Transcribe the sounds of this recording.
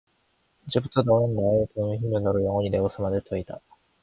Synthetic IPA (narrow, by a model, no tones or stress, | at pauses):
id͡ʑe̞butʰʌnʌnɯnːaetoɯŋɯçimːʌnʌɾɯɭjʌŋwʌɲine̞ɡosʰʌmadeɭtʰʌida